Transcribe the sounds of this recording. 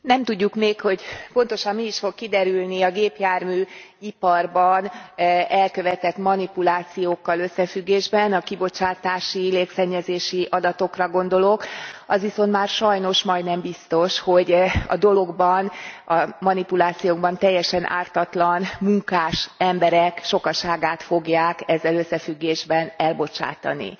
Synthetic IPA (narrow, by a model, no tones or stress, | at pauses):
nɛmt̪uɟːukmeːkho̞ɟpo̞nt̪o̞ʃɒmːiːʃfo̞kːid̪ɛɾylniɒɡeːpjaːrmyːipɒrbɒnɛlkø̞vɛt̪ɛt̪mɒnipulaːt̪sijoːkːɒlø̞sːɛfyɡːeːʒbɛnɒkibo̞t͡ʃaːt̪aːʃileːksɛɲːɛzeːʃiʔɒd̪ɒt̪o̞krɒɡo̞nd̪o̞lo̞kɒzʋiso̞nt̪maːrʃɒjno̞ʃmɒjd̪nɛmbist̪o̞ʃho̞ɟɒ̰d̪o̞lo̞ɡbɒnɒmɒnipulaːt̪sijoːɡ̚bɒnt̪ɛjːɛʃɛnʔa̰ːrt̪ɒt̪lɒnmuŋkaːʃɛmbɛɾɛkʃo̞kɒʃaːɡaːt̪fo̞ɡjaːkɛzːɛløsːɛfyɡːeːʒbɛnɛlbo̞t͡ʃa̰ːt̪ɒ̰nḭ